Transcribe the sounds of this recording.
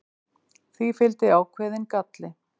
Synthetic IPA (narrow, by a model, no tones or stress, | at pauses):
θifɪlt̪ɪawkʰvɛːðɪnkat̪lɪ